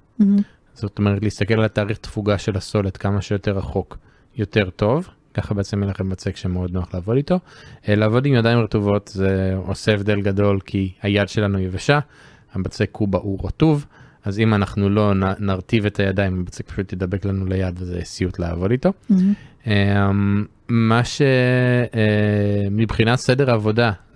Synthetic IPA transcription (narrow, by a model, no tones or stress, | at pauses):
zot̪o̞meʁetliist̪ake̞lalataːʁiχt̪fuɡaʃe̞lhaso̞letkamaʃejo̞te̞ʁaχo̞k | jo̞te̞ʁt̪o̞v | kaχabeet͡semjenlaχembat͡sekʃemeo̞d̪noaχleaːvo̞dit̪o̞laːvo̞dimjadajimʁetuvo̞tzeo̞seevd̪e̞lɡado̞lkʰihajadʃe̞lanujevaʃa | habat͡sekːubaʔuʁatuv | azimanaχnulo̞nnaʁtive̞tʰajadaimabat͡sek̚pḁʃutledabe̞klanulejadezḛesiutlea̰vo̞dito̞ | emː | aʃe̞ | mibχinatse̞deʁaːvo̞da